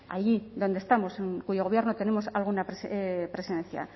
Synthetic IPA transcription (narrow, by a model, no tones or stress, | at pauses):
a̰ʎiðond̪e̞st̪amo̞seŋkuʝo̞ɣ̞o̞βje̞ɾnot̪e̞ne̞mo̞salɣunapspɾe̞siðe̞nθja̰